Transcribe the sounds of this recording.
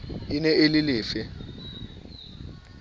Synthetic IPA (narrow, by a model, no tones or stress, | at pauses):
inɛʔelɪlɪːfɪ